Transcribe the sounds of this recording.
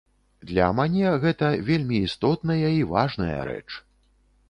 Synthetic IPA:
d̪lʲɐ̰mʲanʲɛɣɛt̪ɐvʲelʲmʲiːst̪ɔt̪nɐjɐivaʐnɐjɐ̰ɾɛ̰t͡ʂ

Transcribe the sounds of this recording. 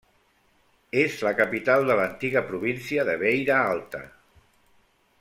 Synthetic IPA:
ezləkapit̪alˠd̪ələnt̪iɣəpɾuβinsiəðəβejɾaalˠt̪ə̰

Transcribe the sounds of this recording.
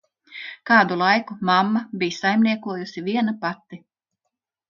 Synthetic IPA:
kaːd̪ulˠajkumamːabijsajmniɛkuɔjusivʲiɛnapat̪ːi

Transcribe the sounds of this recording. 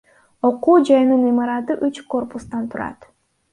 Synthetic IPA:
o̞quːd͡ʒɑjnɯnimɑɾɑt̪ɯʔyt͡ʃko̞rpust̪ɑnt̪ʰuɾɑ̰t̪

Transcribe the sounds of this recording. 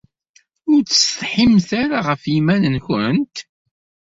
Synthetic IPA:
ʊɾt͡sːə̥st̪ħimθaɾaʁəfjimænənçənt̪

